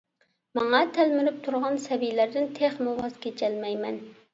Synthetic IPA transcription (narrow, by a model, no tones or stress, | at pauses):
mɑŋɑt̪ʰælmɪɾɪp̚t̪ʰuɾʁɑnsɛvijlæɾd̪ɪnt̪ʰeχmuwɑz̥kʲet͡ʃʰɛlmɛjmɛn